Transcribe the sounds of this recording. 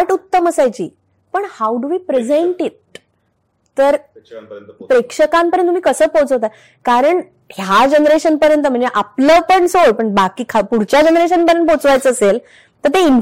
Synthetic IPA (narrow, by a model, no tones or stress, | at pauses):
ʈut̪ːəməsajt͡ɕḭː | pəɳhawɖuʋiːpɾed͡zeɳʈit̪̚ | t̪ːəɾ | pɾekʂəkãmpəɾjənt̪ːum̤ikəsəːpõt͡səɦot̪a | kaɾəɳ | hjad͡ʑenɾeɕənpəɾjənt̪əm̤əɳd͡zeʔapləpəɳsoɭpəɳbakiːkʰapuɽt͡ɕjad͡ʑənɾeɕ̬ənpəɾjənpot͡sʋajt͡səːsel | t̪əɾt̪ein